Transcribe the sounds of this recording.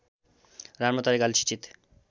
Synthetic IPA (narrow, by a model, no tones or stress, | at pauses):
ɾaɾmat̪aɾeɡalt͡ʃʰi̥t͡ɕit̪